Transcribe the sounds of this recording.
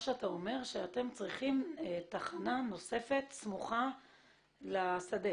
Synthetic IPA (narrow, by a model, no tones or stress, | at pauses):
ʃeat̪ao̞me̞ʁʃeat̪e̞mt͡sʁiχimt̪aχanano̞se̞fe̞t̪smuχa | lasad̪e